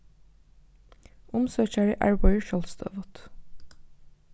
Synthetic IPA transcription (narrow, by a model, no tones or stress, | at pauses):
ʊmsøːçæɹɪ̰ʔæ̰ɹbɔʏəʃɔlst̪ʰø̰ːʋɔt̪